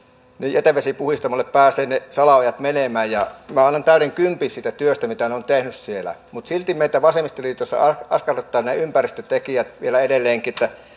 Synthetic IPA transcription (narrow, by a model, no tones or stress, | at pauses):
nijʔet̪æʋesipuhist̪ɑmɑleppæːseːnesɑlɑojɑt̪menemæːjjɑmæɑnːɑnt̪æˑyɾeŋkympisiːt̪æt̪yøst̪æmit̪æneont̪ehnyssielæ̰mut̪silt̪imeit̪æʋɑsemist̪oliːt̪osːɑ̰ɑɑ̰skɑret̪ːɑːnneympærist̪øt̪ekijæt̪ʋielæedelːeːŋkiet̪ːæ